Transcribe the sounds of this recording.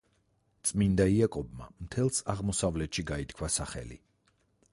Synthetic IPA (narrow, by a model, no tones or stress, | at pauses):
t̪sʼmind̪aiakʼɔbma̰mt̪ʰɛlˠsaʁmɔsavlɛt̪ʃiɡait̪kʰwasaχɛ̰lḭ